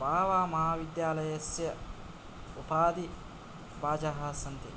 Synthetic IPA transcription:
baːʋaːmɐɦaːʋid̪jaːlɐjɐsjɐ | upaːd̪i | baːd͡ʒaɦɐːsɐnt̪ḛ

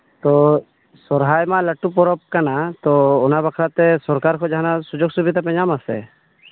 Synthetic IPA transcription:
t̪ɔ | sɔɾɦajmalaʈupɔɾɔp̚kanat̪ɔɔnabakʰɾat̪ɛsɔɾkaɾkʰɔd͡ʒaɦanasud͡ʒoɡsubit̪apɛɲamasɛ̰

